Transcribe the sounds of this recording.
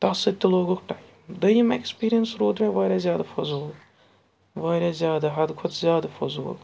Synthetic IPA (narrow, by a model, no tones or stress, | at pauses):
t̪ɐsɐt̪ʲːoloːɡokʈaːjimd̪ɐjimekspiːɾijɐnsɾoːd̪mẽʋaːɾʲjazʲjaːd̪afɐzoːl | ʋaːɾʲazʲjaːd̪aɦɐd̪kʰʊt̪zʲjaːd̪afɐzo̰ːl